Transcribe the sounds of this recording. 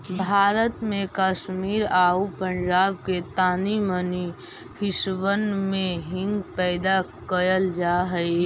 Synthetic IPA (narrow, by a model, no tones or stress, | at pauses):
bʱaːɾət̪mẽkaːʃmiːɾaːupə̃ɲd͡ʒaːb̚ket̪aːniməni | hɪʃʋənmẽɦɪ̃ŋɡpɛːd̪akəɾəld͡ʒaːɦəi